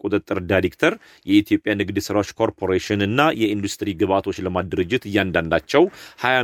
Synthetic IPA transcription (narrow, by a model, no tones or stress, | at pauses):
kʼut̪ʼɨt̪ʼːɨɾdajɾekt̪ʰəɾ | jɛit̪ʰijo̞pʼjanɨɡd̪sɨɾawot͡ʃːkʰo̞ɾpʰo̞ɾeʃɨnɨnːajɛind̪ust̪ʼɨɾiɡɨβat̪ʰo̞t͡ʃːləmad̪ɨɾɨd͡ʒːɪt̪ɨjːand̪and̪at͡ʃːɛwhaja